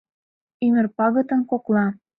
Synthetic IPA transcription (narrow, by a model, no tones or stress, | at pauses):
ymə̆rpɑɣɤ̆t̪ə̆mkoklɑ